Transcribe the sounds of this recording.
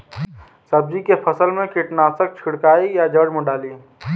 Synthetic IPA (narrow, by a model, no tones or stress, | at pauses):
səb̚d͡ʒikepʰəsəlmẽkiʈnaːsək̚t͡ʃʰɪɽkaːijad͡ʒəɽməɖaːliː